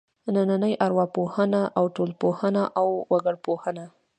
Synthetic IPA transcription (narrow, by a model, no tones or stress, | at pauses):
nananəjʔaɾwɑpohənaʔawʈolpohənaʔawwaɡəɽpohəna